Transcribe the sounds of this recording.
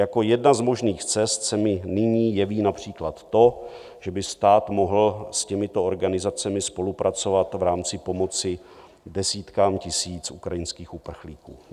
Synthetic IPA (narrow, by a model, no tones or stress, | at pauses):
jako̞jɛdnazmo̞ʒniːxt͡sɛst̪sɛmɪnɪɲiːjɛviːnapr̝̥iːklat̪ːo̞ | ʒ̥ɛbɪst̪aːt̪mo̞ɦl̩scɛmɪt̪ooɾɡanɪzat͡sɛmɪspo̞lupɾʔat͡so̞vat̪vɾaːmt͡sɪpo̞mo̞t͡sɪ | dɛsiːt̪kaːmcɪsiːt͡sʔukɾajɪnskiːxupr̩xliːkṵː